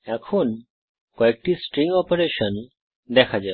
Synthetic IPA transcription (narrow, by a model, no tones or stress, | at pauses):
akʰuːn | kɔek̚ʈiːsʈɾĩŋɡɔpəɾeɕən | d̪ɛkʰad͡ʑɛ